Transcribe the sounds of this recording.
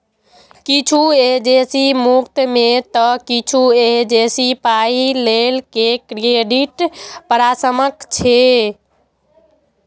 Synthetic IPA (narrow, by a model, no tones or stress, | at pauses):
kit͡ʃʰued͡ʒesimukt̪met̪ɔkit͡ʃʰued͡ʒesipailelkekɾieɖiʈpəɾasəməkt͡ʃʰe